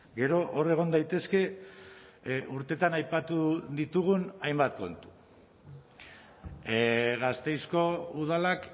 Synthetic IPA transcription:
ɡe̞ɾo̞ʔore̞ɣ̞o̞nd̪ajt̪e̞ske̞ | uɾt̪e̞t̪anajpat̪uðit̪uɣ̞unajmbat̪̚ko̞nt̪u̥ | ɣast̪e̞jsko̞uð̞alak

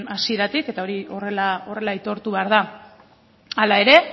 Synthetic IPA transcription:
asieɾat̪ike̞t̪ao̞ɾio̞re̞lao̞re̞lait̪o̞ɾt̪uβeaɾð̞a | alae̞ɾe̞

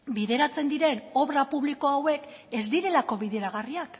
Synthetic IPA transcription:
biðe̞ɾat͡se̞nd̪iɾe̞no̞βɾapuβ̞liko̞awe̞k | e̞zd̪iɾe̞lako̞βiðe̞ɾaɣariak

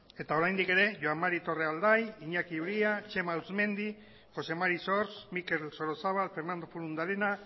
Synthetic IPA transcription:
e̞t̪ao̞ɾajnd̪ike̞ɾe̞ʝoammaɾit̪o̞reald̪ajiɲakiɾiat͡ʃe̞mauzme̞nd̪i | xo̞se̞maɾiso̞ɾsmike̞lso̞ɾo̞saβalfeɾnand̪o̞fuɾund̪alena

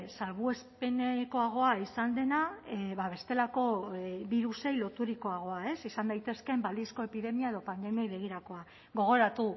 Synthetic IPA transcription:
salβue̞spe̞neko̞aɣ̞o̞aisand̪e̞naβaβe̞st̪e̞lako̞βiɾuse̞jlo̞t̪uɾiko̞aɣ̞o̞ae̞sisand̪ajt̪e̞ske̞mbald̪isko̞e̞piðe̞miae̞ðo̞pand̪e̞miojβe̞ɣ̞iɾako̞a | ɣo̞ɣ̞o̞ɾat̪u

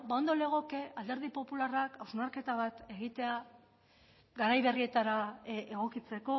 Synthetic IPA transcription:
bao̞nd̪o̞le̞ɣ̞o̞ke̞ald̪e̞ɾð̞ipo̞pularakawznaɾke̞t̪aβ̞at̪e̞ɣit̪e̞a | ɡaɾajβe̞rie̞t̪aɾaeɣo̞kit͡se̞ko̞

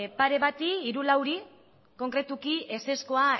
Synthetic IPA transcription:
paɾe̞βat̪iːɾulawɾi | ko̞ŋkɾe̞t̪ukiʔe̞se̞sko̞a

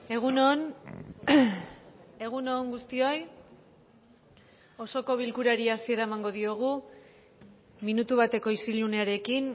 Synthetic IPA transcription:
eɣuon | e̞ɣuno̞ːŋɡust̪io̞j | o̞so̞ko̞βilkuɾaɾiasie̞ɾaemaŋɡo̞ðio̞ɣ̞u | minut̪uβat̪e̞ko̞isilune̞aɾe̞kin

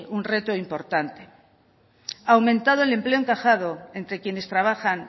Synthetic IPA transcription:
unre̞t̪oimpo̞ɾt̪ant̪e̥ | awmẽ̞nt̪aðoele̞mple̞oŋkaxaðoe̞nt̪ɾe̞kje̞ne̞st̪ɾaβ̞axan

